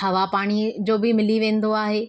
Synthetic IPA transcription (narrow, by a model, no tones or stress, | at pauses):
ɦɐʋapaːɽ̃id͡ʑoːbɪmɪliʋẽːn̆d̪oaːɦeː